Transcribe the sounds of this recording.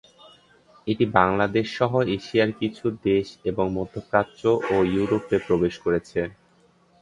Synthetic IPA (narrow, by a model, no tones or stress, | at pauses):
eʈibaŋlad̪eʃːɔɦoeʃiaɾkit͡ɕʰud̪eʃeboŋmod̪ʱːokɾat͡ɕoʔojuɾopepɾobeʃkoɾet͡ɕʰe